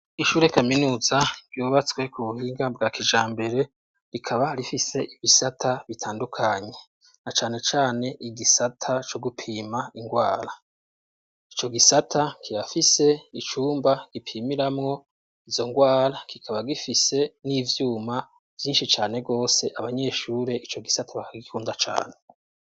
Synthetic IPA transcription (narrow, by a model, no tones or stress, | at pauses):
iʃuːɾe̞kaminuːzaɡ̥juːβat͡swe̞kuβuhiːŋɡabɡakid͡ʒaːmbe̞ɾe̞ | ɾikʰaβaɾifise̞ʔiβisatʰaβitʰaːndukʰaɲe̞ | nat͡ʃaːne̞t͡ʃaːne̞ʔiɡisatʰat͡ʃo̞ɡupʰiːmaiŋɡwaːɾa | it͡ʃo̞ɡisatʰakʰijafise̞it͡ʃuːmbaɡ̥ipʰiːmiɾamŋo̞ | izo̞ŋɡwaːɾakikʰaβaɡifise̞niːvjuːma | v̥jiːnʃit͡ʃaːne̞ɡo̞ːse̞ʔaβaɲe̞ːʃuːɾe̞it͡ʃo̞ɡisatʰaβakaɡikʰuːndat͡ʃa̰ːne̞